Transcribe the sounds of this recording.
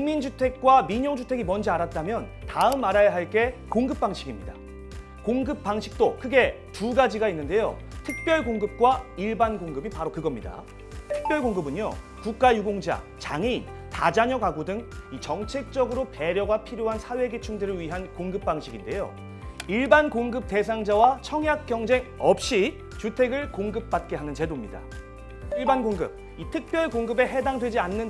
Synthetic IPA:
iŋmːind͡ʑʰutʰe̞k̚k͈wamiɲʌŋd͡ʑʰutʰe̞ɡimʌnd͡ʑiaɾat̚t͈amjʌn | taɯmaɾajaɦaɭk͈e̞koŋɡɯp̚p͈aŋɕʰiɡimɲida̰ | koŋɡɯp̚p͈aŋɕʰi̥k̚t͈okʰɯɡe̞ | tuɡad͡ʑiɡainːɯnde̞jo̰tʰɯk̚p͈jʌɭɡoŋɡɯp̚k͈waiɭbanɡoŋɡɯbipaɾokɯɡʌmɲida̰ | tʰɯ̥k̚p͈jʌɭɡoŋɡɯbɯɲo̰ | kuk̚k͈ajuɡoŋd͡ʑa̰ | t͡ɕaŋi | tad͡ʑaɲʌkaɡodɯŋit͡ɕʌŋt͡ɕʰe̞k̚t͡ɕ͈ʌɡɯɾope̞ɾjʌɡapʰiɾjoɦansʰawe̞ɡet͡ɕʰuŋdɯɾɯɭɥiɦankoŋɡɯp̚p͈aŋɕʰiɡinde̞jo̰ | iɭbankoŋɡɯp̚t͈e̞s̬ʰaŋd͡ʑawat͡ɕʰʌŋjak̚k͈jʌŋd͡ʑe̞ŋʌp̚ɕ͈i | t͡ɕutʰe̞ɡɯɭkoŋɡɯp̚p͈at̚k͈e̞ɦanɯnt͡ɕe̞domɲida̰ | iɭbanɡoŋɡɯ̰b̚ | itʰɯk̚p͈jʌɭkoŋɡɯbe̞ɦe̞daŋdwe̞d͡ʑianːɯn

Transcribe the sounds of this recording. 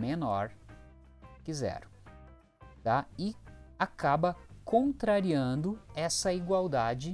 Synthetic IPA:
menɔɾ | kizɛ̰ɾ | t̪aɪakabɐkõnt̪ɾaɾiɐ̃nd̪ʊɛsɐiɡwawd̪ad͡ʒɪ

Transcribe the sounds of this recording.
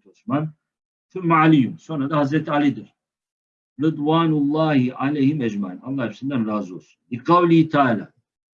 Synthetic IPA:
t̪osman | θʊmːaʕalijumsoːnɾad̪ahazɾɛt̪ʰalid̪ɨɾ | ɾɨd̪waːnulˠˤːɑːhiʔalɛjhimɛd͡ʒmaʕinalˠːɑːhɛpsind̪anlaːzosunliqawlihit̪ʰaaːla̰ː

